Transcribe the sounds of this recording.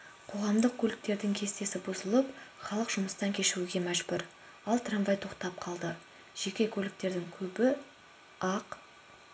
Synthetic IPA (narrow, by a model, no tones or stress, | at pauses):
qʰo̞ʁɑmd̪əq̚kʲʰɵlɪk̚t̪e̞ɾd̪ɪŋkʲʰe̞st̪e̞sɪbʊzəlˠəpχɑlˠəqʒ̥ʊməst̪ɑŋkʲʰe̞ʃɪɾuɡʲe̞mæʒbʊɾ | ɑlˠt̪ranvɑjt̪ʰo̞qt̪ɑp̚qʰɑlˠd̪ə | ʒ̥e̞kʲe̞kʲʰɵlɪk̚t̪e̞ɾd̪ɪŋkʲʰɵbɪ | ɑq